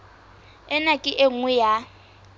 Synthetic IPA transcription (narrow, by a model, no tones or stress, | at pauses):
ɛnakʼɪʔeŋ̩wɛja